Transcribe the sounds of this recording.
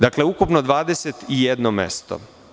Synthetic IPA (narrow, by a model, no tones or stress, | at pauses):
d̪akle̞ukupnod̪ʋaːd̪e̞se̞t̪ijed̪nomḛst̪o̰